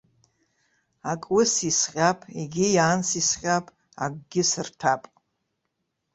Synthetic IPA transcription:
akʼwʊsisqʲʼapʰʼeɡʲɪjaːnsisχʲʼapʼ | a̰ɡʷʼɡʲɪsɨrtʰapʼ

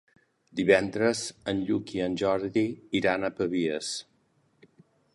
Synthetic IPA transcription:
d̪iβɛnd̪ɾəzənʎukiənʲʒɔɾðiiɾanəpəβiəs

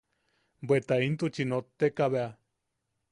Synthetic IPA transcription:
bwet̪aint̪ut͡ʃinot̪ːekaβea

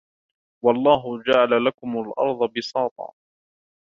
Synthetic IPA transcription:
wɑlˤːɑːɦʊd͡ʒaʕalalakʊmalʔɑ̰ɾˤðˤɑbɪsɑːt̪ˤɑ̰ː

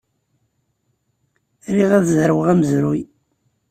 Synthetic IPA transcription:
ɾiʁæðzɾəwəʁæməzɾuj

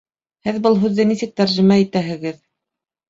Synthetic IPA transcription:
hɘðbɤlˠɦʉðːɘnisɘk̚t̪æɾʒimæit̪æɦɘ̆ɡɘð

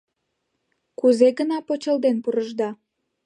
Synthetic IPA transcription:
kuzeɣənɑpot͡ɕəld̪enpuɾəʒd̪ɑ

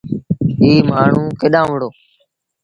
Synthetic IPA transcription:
iːmaːɳ̤ũːkeɗãːʋəɽoː

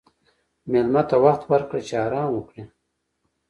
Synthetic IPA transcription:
melmat̪awaxt̪waɾkɽat͡ʃeɑːɾɑːmwukɽe

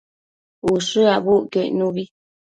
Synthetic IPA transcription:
uʃɨabuʔkeʔnuβi

